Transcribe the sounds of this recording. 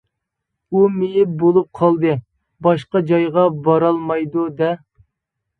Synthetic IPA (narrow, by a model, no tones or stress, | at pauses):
umejɪp̚bolˠup̚qʰɑlˠd̪ɨ | bɑʃqɑd͡ʒɑjʁɑbɑɾɑlˠmɑjd̪ud̪ɛ